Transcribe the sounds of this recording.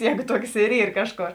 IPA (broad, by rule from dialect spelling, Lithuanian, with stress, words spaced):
ˈjɛːɡʊ ˈtuɔks ɪr ˈiːr ˈkɑːʃˌkoːr